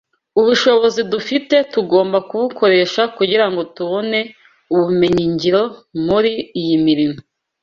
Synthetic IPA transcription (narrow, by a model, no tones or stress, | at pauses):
uβuʃo̞βo̞zidufite̞tuɡo̞ːmbakuβukʰo̞ɾe̞ʃakuɟiɾaŋɡo̞tuβo̞ne̞ | uβume̞ɲiɲɟiɾo̞muɾiijimiɾimo